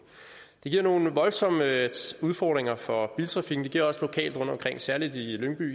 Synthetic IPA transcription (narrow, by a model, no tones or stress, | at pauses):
d̥e̝ɡ̥iɐ̰no̝ːn̩ʋɒ̽lsɒ̽m̰əuð̞ˠfɒːd̥ʁeŋɐfɒ̽b̥iːlt͡sʰʁɑ̈fiɡ̥n̩d̥e̝ɡ̥iɐ̰ɒ̽slo̝kʰɛ̰ːld̥ʁɔ̰̽d̥ɒ̽mkʰʁeŋ̰sæɐlid̥iløŋb̥y̰ː